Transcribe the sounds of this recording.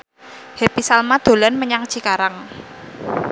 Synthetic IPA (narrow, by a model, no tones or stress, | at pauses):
hepisalmad̪̥o̤lanməɲaŋt͡ʃikaɾaŋ